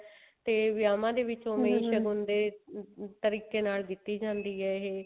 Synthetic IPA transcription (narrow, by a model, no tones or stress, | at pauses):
t̪eːʋɪjaːmãːd̪eːʋɪt͡ʃoːmẽiʃəɡʊnd̪eːt̪əɾiːkeːnaːlɡit̪ːiːd͡ʒãːnd̪iːɦɛːɦeː